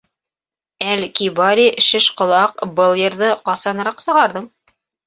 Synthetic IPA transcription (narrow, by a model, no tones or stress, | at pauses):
ælkibɑɾʲiʃɘ̆ʃqŏlˠɑqbɤlˠjɤ̆ɾðɤqɑsɑnɤ̆ɾɑqsɤ̆ʁɑɾðɤɴ